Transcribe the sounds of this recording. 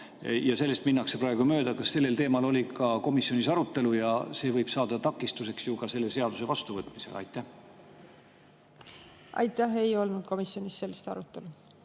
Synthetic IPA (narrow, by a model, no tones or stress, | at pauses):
jɑse̞lːe̞st̪minːɑksepɾɑe̞ɡ̥umø̞ːd̪̥ɑkɑsːe̞lːe̞lt̪e̞ːmɑlo̞lʲikɑko̞misjo̞nisɑɾut̪ːˑe̞lujɑse̞ːvɤjb̥sɑːd̪̥ɑt̪ɑkːˑist̪use̞ksjukɑse̞lːe̞se̞ɑd̪̥use̞vɑst̪uvɤt̪ˑmise̞̰ɑ̰jt̪ːˑæh | ʔɑ̰jt̪ːˑæɦe̞jo̞lnud̪̥̚ko̞misjo̞nisːe̞lːist̪ɑ̰ɾut̪ːˑe̞lu